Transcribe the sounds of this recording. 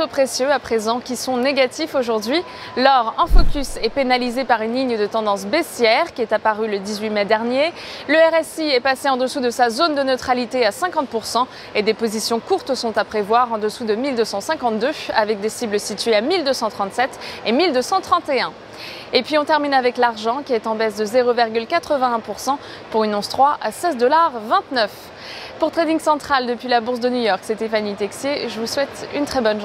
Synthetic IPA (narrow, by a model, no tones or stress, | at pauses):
topχesjøapχezɑ̃kʲisɔ̃neɡat̪ifoʒuʁd̪ɥi | lɔʁɛ̃fɔkʲysɛpenalizepaʁynliɲəd̪ət̪ɑ̃d̪ɑ̃sbesjɛʁkʲiɛt̪apaʁyləd̪izɥimɛd̪ɛʁnjeløɛʁɛsiɛpaseɑ̃d̪əsud̪əsazond̪ənøt̪χalit̪easɛ̃kɑ̃t̪̚puʁsɑ̃ | ed̪epozisjɔ̃kuʁt̪sɔ̃t̪apχevwaʁɑ̃d̪əsud̪əmild̪øsɑ̃sɛ̃kɑ̃t̪̚d̪øa̰vɛk̚d̪esibləsit̪ɥeamild̪øsɑ̃t̪χɑ̃t̪sɛt̪emild̪øsɑ̃t̪χɑ̃t̪eɛ̃ | epɥiɔ̃t̪ɛʁminavɛklaʁʒɑ̃kʲiɛt̪ɑ̃bɛsd̪əzeʁoviʁɡʲylkat̪χəvɛ̃ɛ̃puʁsɑ̃ | puʁynɔ̃st̪χwaʔasɛzd̪ɔlaʁvɛ̃t̪nœf | puʁt̪χed̪ĩŋsɑ̃t̪χald̪əpɥilabuʁs̬d̪ənujɔʁksɛt̪ɛfanit̪ɛksjeʒəvuswɛt̪ynt̪χɛbɔnʒ